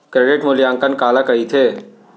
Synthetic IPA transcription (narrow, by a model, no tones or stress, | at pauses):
kɾeːɖɪʈmʊljaːŋkənkaːlakɐɦit̪ʰeː